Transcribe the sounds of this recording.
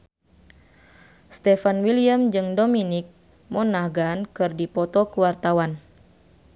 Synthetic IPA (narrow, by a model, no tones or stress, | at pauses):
st̪ɛfanwiliamd͡ʒɨŋdominik̚ | mɔnahɡankɨrdipɔt̪ɔkuwart̪awan